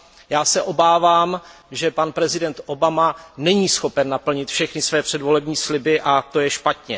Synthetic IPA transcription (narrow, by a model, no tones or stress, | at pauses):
jaːsɛʔo̞baːvaːm | ʒɛpanpɾɛzɪdɛnt̪ʔo̞bamanɛɲiːsxo̞pɛnːapl̩ɲɪt̪fʃɛxnɪsvɛːpr̝̥ɛdvo̞lɛbɲiːslɪbɪʔat̪o̞jɛʃpat̪ɲɛ